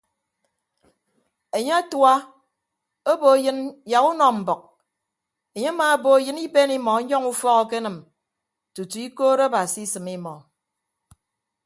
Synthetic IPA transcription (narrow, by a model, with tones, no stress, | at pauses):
e˨ɲe˦a˦twa˦ | o˦bo˨˦jɨ˦nja˨ɣu˦nɔ˨m̩˨bɔ˨k̚ | e˨ɲe˦a˦maː˨˦bo˨˦jɨ˦ni˦be˦ni˦mɔ˨˦ɲɔ˦ŋu˦fɔ˦ɣɔ˦ke˦nɨ˨m | tu˨tu˨i˦koː˦ɾa˦ba˨si˦sɨ˨mi˦mɔ˨